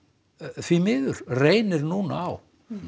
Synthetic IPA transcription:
θvimɪːðʏɾ̥reːjnɪɾnuːnaaw

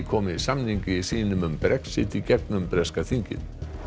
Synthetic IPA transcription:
kʰɔːmɪisamniɲcɪisiːnʏmʏmpɾɛksɪt̪icɛknʏmpɾɛskaθiɲcɪ̰n

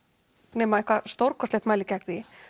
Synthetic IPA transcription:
nɛmaehkvast̪owɾkʰɔst̪eht̪maːjlɪcɛkðɪ

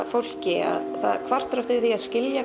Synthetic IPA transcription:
fowl̥cɪa̰ðθa̰ðkʰvar̥t̪ɾœft̪ɪθiaðscɪlja

